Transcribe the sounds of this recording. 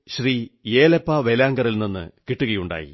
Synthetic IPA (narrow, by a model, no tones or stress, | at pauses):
ɕriːje̞ːlepːaːʋelaːŋɡɐrilninːɨ̰kiʈːuɣɐjuɳɖa̰ːjḭ